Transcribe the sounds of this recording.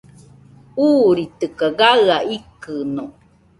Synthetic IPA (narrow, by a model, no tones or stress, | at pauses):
uːɾit̪əkaɡaɯaʔikɨno